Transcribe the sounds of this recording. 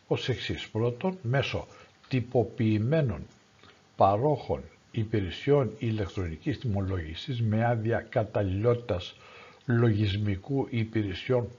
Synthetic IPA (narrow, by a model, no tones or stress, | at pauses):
ose̞ksispɾo̞t̪o̞nme̞so̞̰t̪ipo̞piːme̞no̞̰n | pɐɾo̞xo̞̰n | ipiɾesio̞nilekt̪ɾo̞nicist̪imo̞lo̞ʝisizme̞ɐðiɐkɐt̪ɐlilo̞t̪i̥t̪ɐs | lo̞ʝizmikuʔipiɾesio̞n